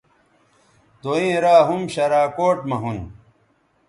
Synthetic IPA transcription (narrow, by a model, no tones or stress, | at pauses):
t̪oĩːɾaːɦumɕɐɾaːkoːʈmɐɦun